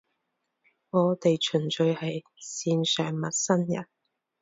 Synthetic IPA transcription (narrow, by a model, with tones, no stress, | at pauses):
ŋɔː˨˧t̪e˨jt͡ʃʰɵ˨˩nt͡ʃɵ˧ɥhɐ˨j | siː˧nsœː˨˩ŋmɐ˨t̚sɐ˥njɐ̰˨˩n